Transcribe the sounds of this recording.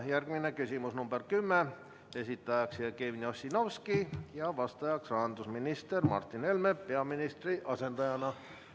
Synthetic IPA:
jærɡ̥minekysʲimusnumb̥erkymːe | e̞sit̪ːˑɑjɑksiekeʋnʲio̞sʲino̞wskijɑʋɑst̪ɑjɑksrɑːnd̪usminist̪ermɑ̰rt̪ːˑine̞lmepe̞ɑminist̪riʔɑse̞nt̪ɑjɑnɑ

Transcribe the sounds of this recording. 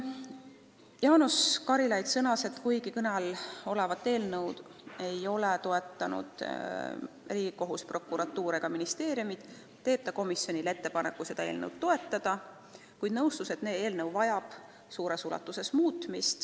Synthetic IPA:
jɑːnuskɑɾilɑjd̪sɤnɑse̞t̪kujɡikɤnelo̞levɑt̪ːˑe̞ːlnɤwd̪̥ | e̞jo̞let̪o̞e̞t̪ːˑɑnṵd̪̥ | riːɡ̥iko̞ɦuspro̞kːˑuɾɑt̪ːuːɾeɡ̥ɑminist̪e̞ːɾjumid̪̥ | t̪e̞ːpt̪ːɑko̞misjo̞nʲile̞t̪ːe̞pɑnḛkːˑuse̞d̪̥ɑe̞̰ːlnɤ̰wd̪̚t̪ːo̞e̞t̪ːˑɑd̪̥ɑ | kujd̪̥nɤwst̪use̞t̪ne̞ːe̞ːlnɤwvɑjɑb̥ | suːɾesulɑ̰t̪ːˑuse̞smuːt̪ˑmist̪

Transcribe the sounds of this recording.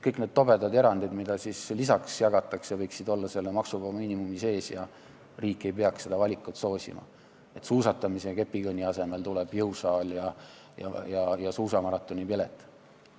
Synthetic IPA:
kɤjkne̞d̪̚t̪o̞be̞d̪ɑd̪e̞ɾɑnd̪̥id̪̥mid̪̥ɑsislisɑksjɑɡ̥ɑt̪ːˑɑksjɑvɤjksid̪o̞lːɑse̞lːemɑksuɡɑmiːnimumise̞ːsjɑ | riːkːˑe̞jpe̞ɑksse̞d̪ɑvɑlʲikːˑut̪so̞ːsʲḭmɑ̰ | e̞t̪suːsɑt̪ːˑɑmise̞ke̞pːikɤnʲːiɑse̞me̞lt̪uleb̥jɤwsɑːljɑ | jɑ̰jɑjɑsuːsɑmɑɾɑt̪ːˑonʲipilet̪ːˑ

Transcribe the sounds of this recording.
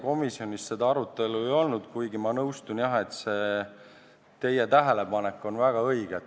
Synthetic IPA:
ko̞misio̞nʲist̪se̞d̪ɑɑɾut̪ːˑe̞luejo̞lnud̪̥kujɡimɑnɤwst̪unjɑɦe̞t̪se̞ | t̪e̞jet̪æɦe̞le̞pɑnekːˑo̞nvæɡ̥ɑɤ̞jɡ̥e

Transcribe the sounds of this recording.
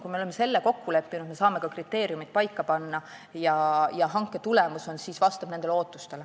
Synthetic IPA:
kujmeo̞lemːe̞se̞lːeko̞kːule̞pːinud̪me̞sɑːme̞kɑkrit̪ːe̞ːɾiumid̪̥̚pɑjkːɑpɑnːɑ | jɑjɑɦɑŋkːˑe̞t̪ule̞muso̞nsisvɑst̪ɑb̥nend̪̥elo̞ːt̪ːˑust̪e̞l

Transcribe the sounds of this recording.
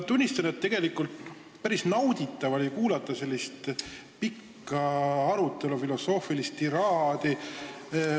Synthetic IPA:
t̪unʲːist̪ɑnet̪ːe̞ɡ̥e̞likːˑult̪n | pæɾisnɑwd̪̥it̪ːˑɑvolʲikuːlɑt̪ːˑɑse̞lʲːist̪ | pikːɑɑɾut̪ːˑe̞lufilo̞so̞ːfilist̪iɾɑhɑd̪i

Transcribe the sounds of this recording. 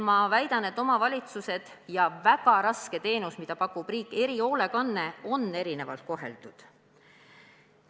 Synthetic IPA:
mɑvæjd̪̥ɑne̞t̪ːˑo̞mɑvɑlʲit̪suse̞d̪̥ | jɑvæɡ̥ɑɾɑske̞t̪e̞ːnusmid̪̥ɑpɑkːˑub̥riːkːˑe̞ɾio̞ːle̞kɑnːe̞o̞nːe̞ɾine̞vɑlt̪̚ko̞ɦe̞̰ld̪̥ud̪̥

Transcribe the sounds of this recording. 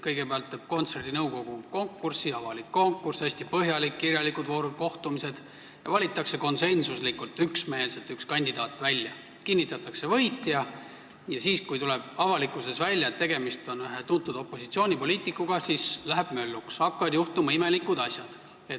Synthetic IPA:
kɤjɡe̞peɑlt̪ːˑeb̥̚ko̞nt̪se̞rd̪inɤwko̞ɡ̥uko̞ŋkːˑursiɑvɑlikːo̞ŋkːˑursæsʲt̪ipɤɦjɑlikːirjɑlikˑud̪vo̞ːɾud̪̥̚ko̞ht̪umise̞d̪̥ | jɑ̰vɑlʲit̪ːˑɑkse̞ko̞nse̞nsuslikːult̪ˑyksme̞ːlset̪ːykskɑnʲd̪id̪ɑːt̪ːˑvælʲjɑ | kinʲːit̪ːˑɑt̪ːˑɑkse̞vɤjt̪ːˑjɑ | jɑsiːskujt̪uleb̥̚ɑvɑlikːˑuse̞svælʲːjɑet̪ːe̞ɡe̞mist̪o̞nɦet̪unt̪ːˑud̪̥o̞pːˑo̞sit̪sio̞ːnʲipo̞lʲiːt̪ikːˑuɡ̥ɑsiːslæɦeb̥mø̞lːuksɑkːɑɑd̪juht̪umɑime̞likːˑud̪ɑsʲjɑd̪̥ | e

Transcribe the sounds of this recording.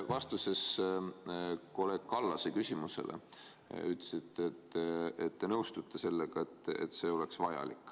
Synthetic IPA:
vɑst̪use̞s | ko̞le̞ːɡ̥̚kɑlːɑsekysʲimuse̞̰lʔḛ | yt̪le̥sit̪ːˑet̪ːet̪ːenɤwst̪ut̪ˑːese̞lːeɡ̥ɑe̞t̪ːˑḛt̪ːse̞ːo̞leksvɑjɑ̰likːˑ

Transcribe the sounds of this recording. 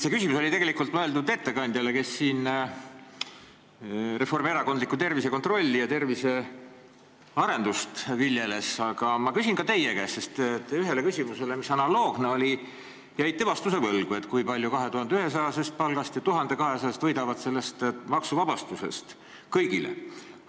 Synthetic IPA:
se̞kysimuso̞lʲit̪eɡe̞likult̪mɤeld̪ud̪e̞t̪ːe̞kɑnʲd̪̥ʲjɑleke̞sːiːn | re̞fo̞rme̞ɾɑko̞nd̪likːˑut̪e̞rvise̞ko̞nt̪ro̞lʲːijɑt̪e̞rvise̞ | ɑɾe̞nd̪ust̪viljele̞sɑɡ̥ɑmɑkysʲinkɑt̪e̞jekæːssest̪et̪ːˑyɦe̞le̞kysʲimuse̞lemisɑnɑlo̞ːɡ̥ne̞o̞lʲi | jæjt̪t̪ːevɑst̪use̞vɤlɡ̥ue̞t̪ːˑkujpɑlʲjukɑɦe̞t̪uhɑnd̪eyɦe̞s̬ɑjɑse̞st̪̚pɑlɡ̥ɑst̪jɑt̪uɦɑnd̪̥e̞kɑɦesɑjɑst̪vɤjd̪ɑvɑd̪̥se̞lːe̞st̪mɑksuvɑb̥ɑst̪use̞̰st̪ | kɤjɡilḛ

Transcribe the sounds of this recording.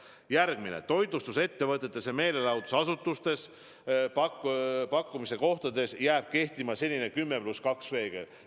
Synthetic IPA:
jærɡ̥minḛt̪o̞jd̪ˑust̪use̞t̪ːe̞vɤt̪ːˑe̞t̪ːˑeseme̞ːle̞lɑwd̪usɑsut̪ːˑust̪e̞s | pɑkpɑkˑːumise̞ko̞ht̪ɑd̪e̞sjæːb̥̚ke̞ht̪imɑse̞lʲːine̞kymːe̞pluskɑksve̞ːɡ̥ḛ

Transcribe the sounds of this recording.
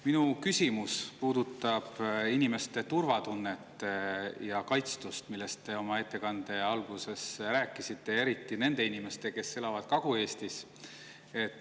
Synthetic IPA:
minukysʲimuspuːd̪ut̪ːˑɑb̥inime̞st̪e̞t̪urvɑt̪unːet̪ːjɑkɑjt̪st̪ust̪milːe̞st̪t̪e̞o̞mɑe̞t̪ːe̞kɑnd̪̥e̞ɑlɡ̥use̞sɾæːkːˑisit̪ːe̞e̞ɾit̪ːˑine̞nd̪̥e̞inʲime̞st̪e̞ke̞se̞lɑvɑd̪̥̚kɑɡ̥ue̞ːst̪is | e̞t̪ːˑ

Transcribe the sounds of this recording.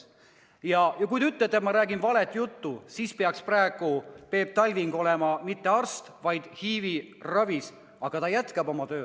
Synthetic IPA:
jɑjɑkujd̪eyt̪ːˑet̪ːˑet̪mɑɾæːɡinvɑlet̪ˑjut̪ːusiːspeɑkspræeɡ̥upe̞ːb̥̚t̪ɑlʲviŋɡ̥o̞lɛmɑmit̪ːe̞ɑrst̪vɑjd̪̥hiːvirɑvis | ɑɡ̥ɑt̪ɑjæt̪kɑbo̞mɑt̪ø̞ː

